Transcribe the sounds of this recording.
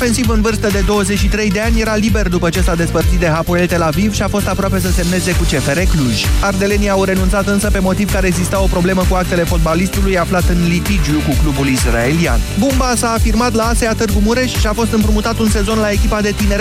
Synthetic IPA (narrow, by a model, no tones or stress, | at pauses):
fe̞nsivɨnvɨrst̪əd̪e̞d̪o̞wəzet͡ʃʲʃit̪ɾe̞jd̪e̞anʲje̞ɾalibe̞rd̪upət͡ʃe̞sad̪e̞spərt̪sit̪̚d̪e̞ɦapoelt̪e̞lavivʃiafo̞st̪apɾoape̞s̬əse̞mne̞ze̞kut͡ʃe̞fe̞ɾe̞kluʒ̥ʲard̪e̞le̞niawɾe̞nunt̪sat̪ɨnsəpe̞mo̞t̪iv̥kaɾeɡzist̪ao̞pɾo̞ble̞məkuak̚t̪e̞le̞fo̞t̪̚balist̪ulujaflat̪ɨnlit̪id͡ʒiukuklubulisrae̞lia̰nbumbasaːfirmat̪laːseat̪ɨrɡumuɾe̞ʃʃiafo̞st̪ɨmpɾumut̪at̪unse̞zo̞nlae̞kʲipad̪e̞t̪ine̞ɾ